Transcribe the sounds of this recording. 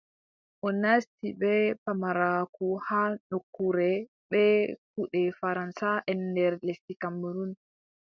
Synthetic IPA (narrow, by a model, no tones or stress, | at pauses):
ʔɔnastibɛpamaɾakuhanokːuɾɛ | ɓɛk̚uɗɛfaɾansaʔɛndɛɾlesikamːuɾun